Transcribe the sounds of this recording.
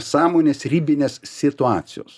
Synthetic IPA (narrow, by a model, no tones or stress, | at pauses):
sɑːmoːnʲeːsɾʲiːbʲɪnʲeːssʲɪt̪ʊɑːt̪sʲɪjo̰ːs